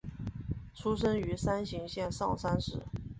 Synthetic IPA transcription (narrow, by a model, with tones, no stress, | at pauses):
ʈ͡ʂʰu˥ʂ̬ɤ˥ŋy˧˥sa˥nɕi˧˥ŋɕjɛ˥˧nʂɑ̰˥˩ŋsa˥nʂɻ̩˥˩